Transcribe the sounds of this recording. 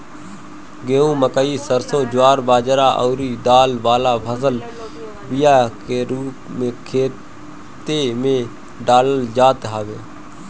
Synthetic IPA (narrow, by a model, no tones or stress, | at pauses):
ɡẽːũːməkəiːsəɾsõːd͡ʒʊaːɾbaːd͡ʒɾaːʔɔːɾiːɖ̪aːlʋaːlaːpʰəsəl | bijaːkeːɾuːpmẽːkʰeː | t̪eːmẽː | ɖaːləld͡ʒaːt̪ɦaːʋeː